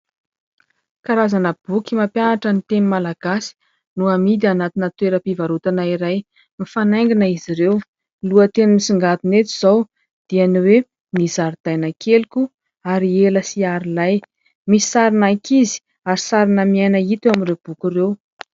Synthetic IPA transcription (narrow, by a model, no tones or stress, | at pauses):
kaɾazanəb̥ukʲimapjanaʈ͡ʂənit̪enimalaɡ̥asi̥ | nuamid̪ianat̪inət̪weɾəpivaɾut̪anaiɾaj | mifanajŋɡinəiziɾew | luət̪enimisiŋɡat̪unet̪iz̥aw | d̪̥ianiwe | mizaɾid̪̥ajnakʰelikʲu | aɾieləsiaɾilaj | misi̥saɾinakʰizi̥ | aɾisaɾinəmiajnəit̪uaminreb̥ukʲirew